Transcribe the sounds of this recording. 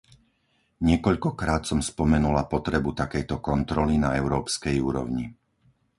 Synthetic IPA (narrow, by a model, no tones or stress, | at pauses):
ɲɪɛkɔʎkɔkɾaːt̪sɔmspɔmɛnulapɔt̪ɾɛbut̪akɛjt̪ɔkɔnt̪ɾɔlinaɛʊɾɔːpskɛjuːɾɔ̰ʊɲi